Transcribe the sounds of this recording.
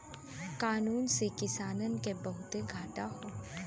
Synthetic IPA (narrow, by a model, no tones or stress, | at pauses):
kaːnuːnsekɪsaːnənkebɐɦʊt̪eɡʱaːʈaɦoː